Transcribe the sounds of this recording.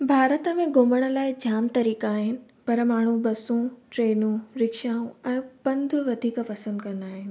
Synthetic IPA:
bʱaːɾət̪əmẽɡʊməɽ̃ə̆laːɪd͡ʑaːmt̪ɐɾiːkaːɦɪnɪ̆ | pɐɾmaːɳ̤ubɐsũʈɾeːnũɾɪkʃaːũɛ̃ːpɐ̃nd̪ʱʋɐd̪ʱiːkpɐsə̃nd̪kɐ̃nd̪aːɦɪnɪ̆

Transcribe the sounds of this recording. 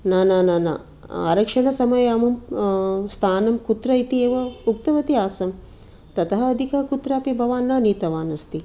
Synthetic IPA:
naːnaːnaːna̰ | a̰ːɾɐkʂɐɳɐsɐmɐjaːmɐm | st̪ʰaːnɐmkut̪ɾɐit̪ieːʋɐuk̚t̪ɐʋɐt̪iaːsɐm | t̪ɐt̪ɐɦɐɐd̪ʱikɐɦɐkut̪ɾaːpibʱɐʋaːnːɐːniːt̪ɐʋaːnɐst̪i

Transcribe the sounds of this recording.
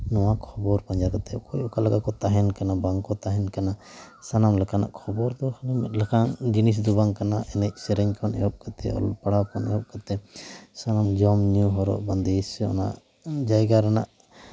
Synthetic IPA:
nɔwakʰɔbɔɾpaɲd͡ʒakat̪ɛkɔjɔkalaɡakɔt̪aɦɛnkanabaŋkɔt̪aɦɛnkana | sanamlɛkana̰ʔkʰɔbɔɾd̪ɔklɛmɛt̪̚ˀlɛkʰaŋd͡ʒinis̬d̪ubaŋkanaʔɛnɛc̚sɛɾɛɲkʰɔnɛ̰jɔp̚kat̪ʰɛ̰ɔ̰lpaɽawkɔnɛ̰ɔp̚kat̪ɛsanamd͡ʒɔmnjuɦɔɾɔ̰ʔband̪esɔ̰na̰ʔ | d͡ʒajɡaɾana̰ʔ

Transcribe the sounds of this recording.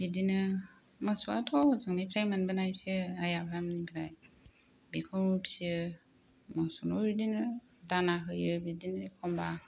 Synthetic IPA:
bidinɯ | masua̰tʰɔzɯŋnipʰɾajmanbɯnajsɯajapʰɾamnibiɾaj | bikʰɔmupsiɯ | masunɔbidinɯ | danaɦɯjɯbidinɯkʰɔmba

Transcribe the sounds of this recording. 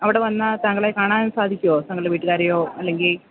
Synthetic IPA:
ɐʋiɽe̞ʋɐnːɐt̪ɐŋːɡɐɭejkaːɳaːnnːɨsaːd̪ʱikʲːuoːt̪ɐŋːɐɭɖeʋiːʈːɨɣaːɾɐjoːɐlːe̞ŋɡil

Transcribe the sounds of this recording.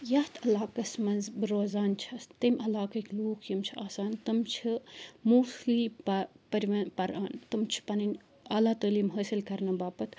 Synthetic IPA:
jɐht̪ʰɐlaːkɐsmɐnzbɨɾoːzaːnt͡ʃʰɐst̪ɐmʲʔɐlaːkɐkʲluːkʰjimt͡ʃʰiaːsaːnt̪ɨmt͡ʃʰimuːslipɐpɐɾʲʋɐpɐɾa̰ːnt̪ɨmt͡ʃʰi̥pɐnɐnʲ | alaːt̪oːliːmɦəːsilkɐɾnɐbaːpɐt̪

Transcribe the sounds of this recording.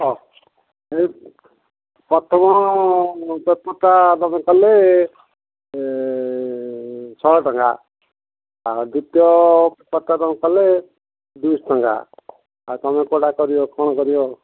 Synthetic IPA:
ɔ | e | pɔt̪ʰɔmɔ | bɔpɔt̪at̪ɔmẽkɔle | t͡ʃʰɔʈɔŋɡa | d̪ut̪jɔbpɔt̪ːat̪ɔmẽkɔle | d̪usʈɔŋɡa̰ | at̪ɔmekoʈakɔɾijokɔɽ̃ɔkɔɾijo

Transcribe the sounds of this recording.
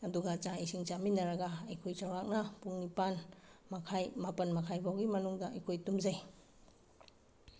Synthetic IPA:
ɐduɡɐt͡ʃaisiŋt͡ʃaminːɐɾɐɡɐɐjkʰojt͡ʃawɾak̚nɐpuŋnipanmɐkʰajmapɐnmɐkʰajbʱawɡimɐnuŋdɐɐjkʰojtumzaj

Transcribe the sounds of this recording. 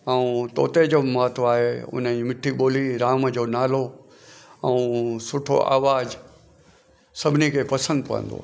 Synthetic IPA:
ɛ̃ũt̪o̰ːt̪ed͡ʑomaːt̪ʰoaːɦeʊ̰n̤əimɪʈʰːiɓoːliɾaːməd͡ʑoːnaːlo | ɛ̃sʊʈʰo̰ʔa̰ːʋaːz | sɐbʱɪnikʰepɐsə̃nd̪pɐ̰ə̰̃nd̪o̰ː

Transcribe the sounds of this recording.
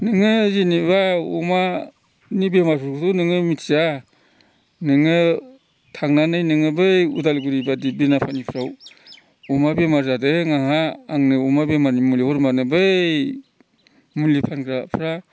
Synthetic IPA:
nɯŋɯzinibaṵma | nibemasuɾɡɯtunɯŋɯmitʰza | nɯŋɯ | tʰaŋnanɯjnɯŋɯbɯjudalɡuɾibadibinapʰanipʰɾaw | umabemaɾzadɯŋaŋaːŋnɯumabemaɾnimulihɔɾmanɯbɯj | mulipʰankʰɾapʰɾa

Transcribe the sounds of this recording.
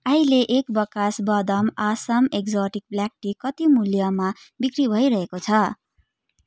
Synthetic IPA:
aɦileʔekbʌkasbʌd̪ʌmasʌmekd͡zoʈik̚blak̚ʈikʌt̪imuljʌma | bikribʱʌjɾʌɦekot͡sʰʌ

